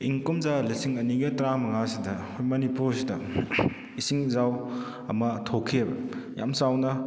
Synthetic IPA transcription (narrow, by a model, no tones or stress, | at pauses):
iŋkomzalisiŋɐniɡɐtɾamɐŋasidɐhjmɐnipuɾsidɐ | isiŋzaw | ɐmɐtʰokʰiebɐ̰ja̰msawnɐ